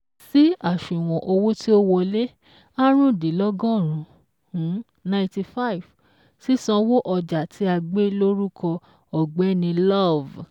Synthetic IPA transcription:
si˦a˦˨ʃũ˨w̃ɔ̃˨ʔo˧wo˦ti˦o˦wɔ˧le˦ | a˦ɾ̃ũ˦˨di˨lɔ˦ɡɔ̃˦˨ɾ̃ũ˨ | hũ˨˦ | nã˧ĩ˧ti˧fa˦˨i˨v | si˦sɔ̃˦˧wo˦ʔɔ˧d͡ʒa˨tʰi˨˦a˧ɡ͡be˦lo˦ɾu˦kʰɔ˧ | ɔ˨ɡ͡bɛ˨˦nĩ˧lɔ˦˨v

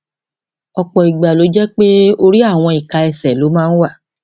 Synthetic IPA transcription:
ɔ˨k͡pɔ˨i˨ɡ͡ba˨lo˨˦d͡ʒɛ˦k͡pe˦o˧ɾi˦a˦˨w̃ɔ̃˧i˨ka˧ɛ˧sɛ˨lo˨˦mãː˦ñ̩˦wa˦˨

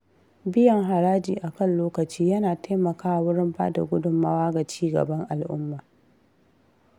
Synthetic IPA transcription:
bɪ˦jɐ˨ŋɦa˨ɾaː˦d͡ʒiː˨ʔa˨kɐ˦˨nloː˦kɐ˨t͡ʃiː˦jɐ˦naː˨taː˦mɐ˨kaː˦˨wʊ˦ɽɪ˦mba̰ː˦da̰˨ɡʷʊ˦dʊ˨mːa˦waː˦ɡa˨t͡ʃiː˦ɡɐ̰˨bɐ˦ŋʔa˨lʔʊ̰˦mːaː˨

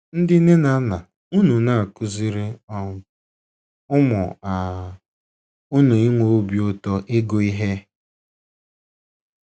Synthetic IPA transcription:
n̩˦dɪ˦nɪ˦na˦na˨ | u˦nu˨na˦˨a˨kʊ˦zi˦ɾɪ˦ɔ˦ | ʊ˦mʊ˨a˨ | u˦nu˨i˦ŋʷo˨o˦bi˨ʊ˦tɔ˦ʔɪ˦ɡo˨i˦ɦe˦

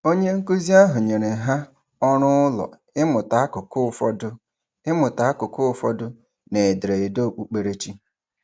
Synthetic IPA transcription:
o˦ɲe˦ŋ̩˦ku˦zi˦a˦ɦʊ˨ɲe˨ɾe˨ɦa˦ | ɔ˦ɾʊ˦ʊ˦lɔ̰˨ | ɪ˦mʊ˨ta˨a˦kʊ˨kʊ˦fɔ˦dʊ˦ | ɪ˦mʊ˨ta˨a˦kʊ˨kʊ˦ʊ˦fɔ˦dʊ˦ | ne˨e˨dɾe˨e˨do˦˨k͡pu˦k͡pe˨ɾe˦t͡ʃi˦

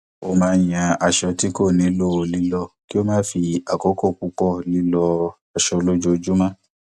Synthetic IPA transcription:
o˧˦mãː˦j̃ã˧a˨ʃɔ˧ti˦ko˦˨nĩ˨˦lo˦˨o˧˨li˦lɔ˧ki˦o˦mãː˦fi˧a˨kɔ˨˦kɔ˦˨ku˧˦kɔ˦˨li˦lɔ˧ | a˨ʃɔ˧lo˦d͡ʒo˦˧d͡ʒu˦mã˦˨

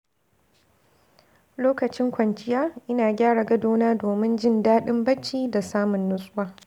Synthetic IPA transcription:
loː˦kɐ˨t͡ʃɪ˦ŋkʷɐ˨nt͡ʃʼɪ˦jaː˦ʔɪ˦naː˨ɡʲaː˦ɽa˨ɡɐ˦doː˦naː˦doː˨mɪ˦nd͡ʒɪ˦ndaː˦ɗɪ˦mbɐ˦t͡ʃːiː˦da˨saː˦mʊ˨nːʊ˦sʼʊ˦waː˦

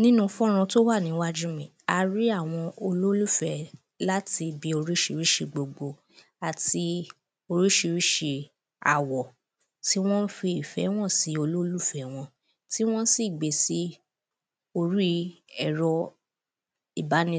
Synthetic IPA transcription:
nĩ˦nũ˧fɔ̃˦ɾ̃ã˧to˦wa˦˨nĩ˨˦wa˦d͡ʒũ˦mĩ˨a˧ɾi˦a˦˨w̃ɔ̃˧o˧lo˦lu˦fɛ˨ | la˦ti˧bi˧o˧ɾi˦ʃi˧ɾi˦ʃi˧ɡ͡bo˨ɡ͡bo˧ | a˨ti˧ | o˧ɾi˦ʃi˧ɾi˦ʃe˧ | a̰˨wɔ˨ | ti˦w̃ɔ̃˦n̩˦fi˧i˨fɛ˨˦w̃ɔ̃˦˨si˨˦o˧lo˦lu˦fɛ˨w̃ɔ̃˧ | ti˦w̃ɔ̃˦si˦˨ɡ͡be˨si˦ | o˧ɾi˦ɛ˦˨ɾɔ˧ | i˦˨ba˨˦nĩ˧˦

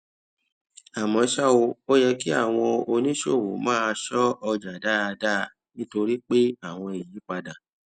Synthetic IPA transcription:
a˨mɔ̃˧ʃa˦o˧o˦jɛ˧ki˦a˦˨w̃ɔ̃˧o˧nĩ˦ʃo˦˨wo̰˨˦mãː˦˧ʃɔ˦ɔ˧d͡ʒa˨da˦˧da˦˧ | nĩ˦to˧ɾi˦k͡pe˦a˦˨w̃ɔ̃˧e˨jĩ˨˦k͡pa˧dã˨

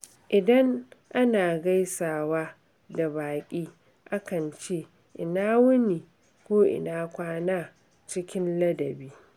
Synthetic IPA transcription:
ʔɪ˨dɐ˦ŋʔa˦naː˨ɡa˦jsaː˨waː˦ | da˨baː˨kʲʼiː˦ | ʔa˦kɐ˨nt͡ʃeː˦˨ | ʔɪ̰˨naː˦wʊ˦niː˨ | kʷoː˦ʔɪ̰˨naː˦kʷaː˦naː˦ | t͡ʃɪ˦kʲɪ˦nlɐ˦dɐ˨biː˦

